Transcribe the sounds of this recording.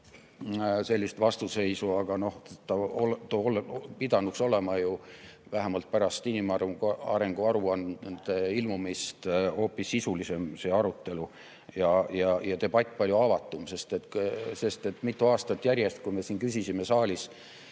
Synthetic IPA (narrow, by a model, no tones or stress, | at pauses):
se̞lʲːist̪vɑst̪use̞jsuɑɡ̥ɑno̞ht̪ːɑolt̪olpid̪̥ɑnukso̞le̞mɑjuvæɦæmɑlt̪̚pæɾɑst̪inimɑɑ̰ɾeŋɡ̥uɑɾuɑnd̪̥eilmumist̪ho̞ːpːisːisulise̞mse̞ːɑɾut̪ːe̞lu | jɑjɑjɑt̪e̞bɑt̪ʲˑːpɑlʲjuɑvɑt̪ːˑumse̞st̪e̞t̪se̞st̪e̞t̪ːmit̪ːˑuɑːst̪ɑt̪ːˑjæɾjest̪kujme̞siːnkysisime̞sɑːlʲis